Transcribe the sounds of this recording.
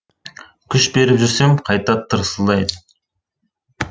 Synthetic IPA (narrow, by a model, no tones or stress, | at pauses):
kʲʰʏʃbe̞ɾɪpʒʏɾsemqʰɑjt̪ɑt̪ʰːəɾəsəlˠɑjd̪ə